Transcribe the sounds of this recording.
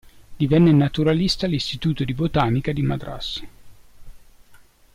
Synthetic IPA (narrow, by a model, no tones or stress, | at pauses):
d̪̥ivɛnːenat̪uɾalist̪alist̪it̪uːt̪od̪ibot̪aːnikad̪imad̪ɾa̰sː